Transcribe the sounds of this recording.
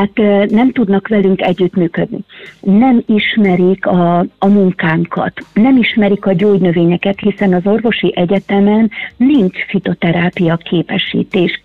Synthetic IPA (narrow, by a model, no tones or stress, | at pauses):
at̪nɛmt̪ud̪nɒkʋɛlyŋkɛɟːyt̪myːkød̪nḭnɛmiʃmɛɾikɒːmuŋkaːŋkʰɒ̰t̪nɛmiʃmɛɾikɒɟoːɟnø̞veːɲɛkɛt̪hisɛnɒzo̞rvo̞ʃiʔɛɟɛt̪ɛmɛnliɲt͡ʃfit̪o̞t̪ɛɾaːpijɒkʰeːpɛʃḭːt̪eːʃ